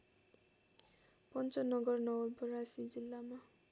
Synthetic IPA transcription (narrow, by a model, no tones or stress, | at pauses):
pʌnt͡sʌnʌɡʌrnʌwʌlbʌrasid͡zilːama